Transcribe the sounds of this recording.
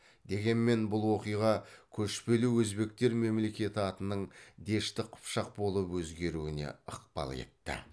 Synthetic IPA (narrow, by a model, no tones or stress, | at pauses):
d̪e̞ɡʲe̞nme̞nbʊlˠwo̞qijʁɑkʲʰɵʃpe̞luwɵzbe̞k̚t̪e̞ɾme̞mle̞kʲe̞t̪ɪɑt̪ənəɴd̪e̞ʃt̪ɪqʰʊ̥pʃɑq̚bo̞lˠəpwɵzɡʲe̞ɾuwɪne̞̰əqpɑ̰lˠe̞̰t̪ːɪ̰